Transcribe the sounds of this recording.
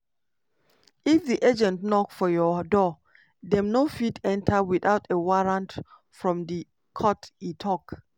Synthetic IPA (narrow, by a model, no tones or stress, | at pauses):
ifdiʔed͡ʒɛ̃ntnɔkfɔjɔdɔ | dɛ̃mnofitʰɛ̃ntʰawiθaʊtewaɹãnt | fɹɔ̃mdi | kʰɔtitʰɔk